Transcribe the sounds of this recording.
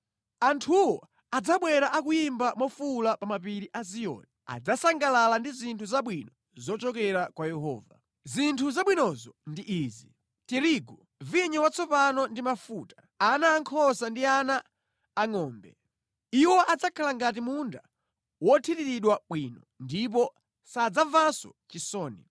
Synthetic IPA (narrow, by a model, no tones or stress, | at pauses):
antʰuwɔ | ad͡zaɓwɛɾaʔak̬ujimbamɔfulapamapiɾiʔazijɔ̰ːnɛa̰d͡zasaŋɡalalandizintʰuzaɓwinɔ | zɔt͡ʃɔkɛɾakwajɛɦɔ̰ːva | zintʰuzaɓwinɔzɔndiʔiːzi | tiɾiɡɔ | viɲɔwat͡sʰɔpanɔndimafuːtḁ | anaːŋkʰɔsandianaː | ŋɔːmbɛ | iwɔʔad͡zakʰalaŋɡat̬imunda | wɔtʰitiɾiɗwaɓwinɔndip̬ɔ | sad͡zavasɔ̰ | t͡ʃisɔːnḭ